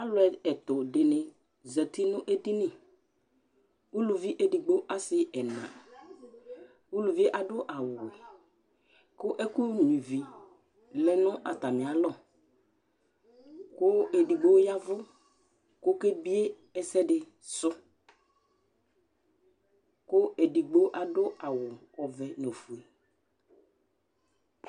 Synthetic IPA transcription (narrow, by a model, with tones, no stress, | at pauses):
a˦lʊ˦ɛ˨ɛ˨t̪ʊ˨dɪ˨nɪ̃˨ | zɛ˨t̪ɪ˦nʊ̃˦ʔe˦di˦nɪ̃˨ | u˦lu˨vi˦ʔe˨di˨ɡ͡bo˦ʔa˦sɪ˦ɛ˨nã̰˨ | u˦lu˨vi˦e˦ʔa˨dʊ˦ʔa˨wʊ˨ | kʊ˦ʔɛ˦ku˦ɲũ˨vi˨ | lɛ˨nʊ̃˦ʔa˨t̪a˨mɪ̃˨a˨lɔ˦ | kʊ˦e˨di˨ɡ͡bo˦ja˦vʊ˦ | kʊ˦ke˦bi˦e˦ | ɛ˦sɛ˦ɖɪ˨ | sʊ˦ | kʊ˦ʔe˨di˨ɡ͡bo˦ʔa˨dʊ˦ʔa˨wʊ˨ | ɔ˨vɛ˨no˨fu˨e˨